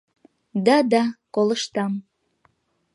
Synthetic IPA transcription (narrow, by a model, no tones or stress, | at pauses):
d̪ɑd̪ɑkoləʃt̪ɑm